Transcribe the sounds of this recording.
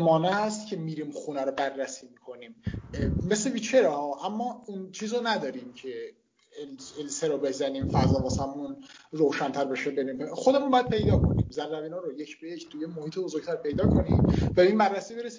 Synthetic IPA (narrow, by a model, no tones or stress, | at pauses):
mɒːneæst̪cʲʰemiːɾiːmχunæɾobærːæsiːmiːkʰo̞niːmme̞slebiːt͡ʃʰeɾɛhɒːʔæmːɒːint͡ʃʰiːzonæd̪ɒːɾiːmcʰe | lelseɾobe̞zæniːmfæzɒːvɒsæmunroːʃænt̪ʰæɾbeʃebeɾimexo̞d̪emunbɒjæd̪pʰe̞jd̪ɒːkʰo̞nḭːmzærːæbiːnɑɾojecʰbejecʰt̪ʰujemohiːt̪ebozo̞ɾɡ̚t̪ʰæɾpʰe̞jd̪ɒːkʰo̞nḭmvæbeiːnbærːæsiːbeɾesi